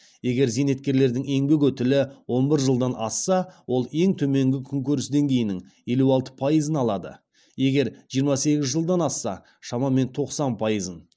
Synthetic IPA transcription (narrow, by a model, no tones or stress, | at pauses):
je̞ɡʲe̞ɾzejne̞t̪̚kʲe̞ɾle̞ɾd̪ɪŋe̞ŋbek̬ɵt̪ɪlɪwo̞nbɪɾʒəlˠd̪ɑnʔɑsːɑwo̞lˠe̞ŋt̪ʰɵme̞ŋɡʲɪkʲʰʏŋkʲɵɾɪsd̪e̞ŋɡʲe̞jɪnɪŋ | je̞luɑlˠt̪ə̥pʰɑjəzənɑlˠɑd̪ə̰ | je̞ɡʲe̞ɾʒijəɾmɑse̞ɡʲɪzʒəlˠd̪ɑnɑsːɑ̰ | ʃɑmɑme̞nt̪ʰo̞qsɑnpʰɑjəzən